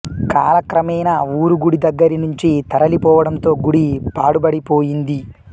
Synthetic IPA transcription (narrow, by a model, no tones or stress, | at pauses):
kaːlɐkɾɐmɛjnɐuːɾuɡuɽid̪ɐɡːɐɾinuɲt͡ʃit̪ɐɾɐlipɔːʋɐɽɐnt̪o̞ːɡuɽipaːɽubɐɽipoːjind̪i